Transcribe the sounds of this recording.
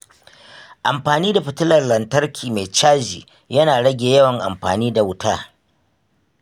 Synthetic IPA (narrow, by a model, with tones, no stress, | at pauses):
ʔa̰˨mɸaː˨niː˦da˨ɸɪ˨tʊ˦lɐ˨rlɐ˨ntɐ˦rkʲʰiː˨ma˨jt͡ʃaː˦d͡ʒḭː˨ | jɐ˦naː˨ɽɐ˦ɡʲeː˨jɐ˦wɐ˨ŋʔa̰˨mɸa̰ː˨niː˦da˨wʊ˦tʰaː˦